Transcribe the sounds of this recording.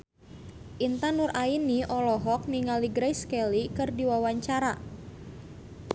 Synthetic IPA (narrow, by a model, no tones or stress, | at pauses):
ʔint̪anurʔainiʔɔlɔɦɔk̚niŋaliɡɾajskɛlikɨrdiwawaɲt͡ʃaɾa